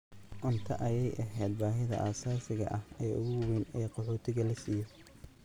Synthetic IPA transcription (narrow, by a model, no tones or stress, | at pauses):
ʔʊnt̪ʰɐʔɐjɛjʔɐɦɛːd̪̚baːɦɪðɐ̰ʔaːsaːsɪɣɐ̰ʔɐhɛːʔʊɣʊwwɛnɛːqɔħɔːt̪ʰɪɣɐlɐsiːjɔ